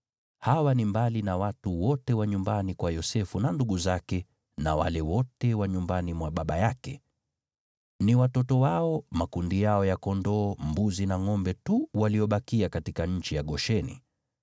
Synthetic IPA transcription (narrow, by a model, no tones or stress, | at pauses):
hawanimbalinawatuwɔtɛwaɲumbanikwajɔsɛfunanduɠuzakɛ | nawa̰lɛwɔtɛwaɲumbanimwaɓaɓajakɛ | niwatɔtɔwaɔmakundijaɔjakɔndɔːmbuzinaŋɔmbɛtuwaliɔɓakiakatikaɲ̩t͡ʃijaɠɔʃɛnḭ